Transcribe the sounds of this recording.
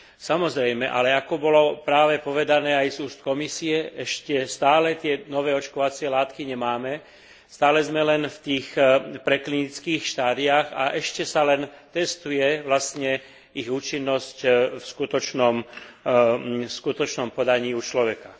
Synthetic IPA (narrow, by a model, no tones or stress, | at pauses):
samɔzɾɛjmɛʔa̰lɛakɔbɔlɔpɾaːʋɛpɔʋɛd̪anɛːajzuːst̪̚kɔmisiɛɛʃcɛst̪aːlɛt̪ɪɛnɔʋɛːɔt͡ʃkɔʋat͡sɪɛlaːt̪kiɲɛmaːmɛ | st̪aːlɛzmɛlɛnft̪iːxpɾɛklinit͡skiːxʃt̪aːd̪iaɣa̰ʔɛʃcɛsalɛnt̪ɛst̪ujɛʋlast̪ɲɛ | iɣuːt͡ʃinːɔscfskut̪ɔt͡ʃnɔm | skut̪ɔt͡ʃnɔmpɔd̪aɲiːut͡ʃlɔʋɛka